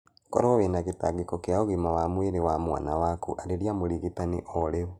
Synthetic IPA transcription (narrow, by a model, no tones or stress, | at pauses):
kɔ̰ɾɔwenaɣetaɣekɔkeaoɣimawamweɾewamwa̰nawakuʔaɾeɾiamoɾiɣetaneʔɔɾeo